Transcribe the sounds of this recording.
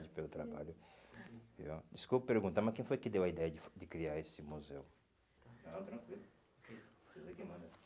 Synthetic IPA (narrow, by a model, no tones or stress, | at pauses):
d͡ʒɪpelʊt̪ɾa̰ba̰ʎʊ | vḭɔ̰d͡ʒ̪ɪskupɐpeɾɡũnt̪ɐmɐskẽj̃fojkɪd̪ewɐid̪ɛjɐd͡ʒɪfd̪ɪkɾiaɾesɪmuzew | ɐ̃ɐ̃t̪ɾɐ̃ŋkwilʊ | ke | sezekẽmɐ̃d̪ɐ